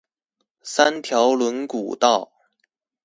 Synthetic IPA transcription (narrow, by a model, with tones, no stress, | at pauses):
sa˥nt̪ʰjɑ˧˥ʊlwə˧˥nku˨˩t̪ɑ˥˩ʊ